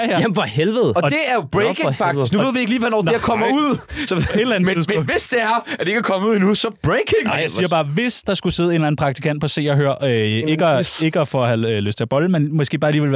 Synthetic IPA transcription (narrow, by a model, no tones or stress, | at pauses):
jfɒhelʋəð̩ˠɒd̥e̝æɐjob̥ʁeeɑɡ̥i̥nuʋe̝ð̰ˠʋie̝ɡ̥liːʋænɒ̰deɐkʰɒmɐuð̰ˠsɒɒe̝d̥læn̩t͡siðˠmɔ̰̽ʋesd̥e̝æɐæd̥ee̝ɡækʰɒ̽məuð̞̰ˠinusɒ̽b̥ʁeɪkʰeŋ̰jaiːɐb̥ɑ̈ːʋe̝sd̥ɑ̈sɡ̥use̝ð̞̩ˠe̝nlæn̩pʰʁɑ̈ɡ̥̚t͡sʰikʰæn̰d̥̚pʰɒ̽se̝̰ːɐɦøɐ̰øeɡ̥əeɡ̥əæfɒhæløsd̥t͡sʰɐb̥ɒ̽ləmenmɒ̽sɡ̥e̝̰ːb̥ɑ̈ːliːʋel